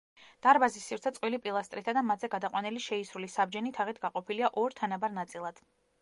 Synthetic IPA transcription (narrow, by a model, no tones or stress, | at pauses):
d̪̥aɾbazisːivɾt̪sʰɛt̪sqʼwilipʼilˠast̪ʼɾit̪ʰad̪amat̪ʰzɛɡad̪aqʼwanɛliʃɛisɾulisab̚d͡ʒɛnit̪ʰaʁit̪ʰɡaqʼɔpʰiliaʔɔɾt̪ʰanabaɾnat̪sʼilˠad̪̥